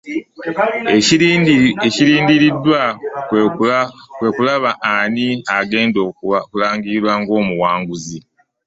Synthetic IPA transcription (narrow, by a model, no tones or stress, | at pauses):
eciɾiːndiɾidːwa | kwe̞kulaβaʔːniaɡe̞ːndokulaːŋɡiɾwaŋɡo̞ːmuwaːŋɡuzi